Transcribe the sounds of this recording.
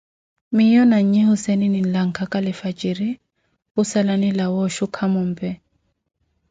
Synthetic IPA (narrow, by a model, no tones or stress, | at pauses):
mijɔnaɲ̩ɲɛhʊsɛninin̩laŋ̩kʰakʼalɪfat͡ʃʼiɾi | ʊsalanilawɔʃukʰamʊm̩pʼɛ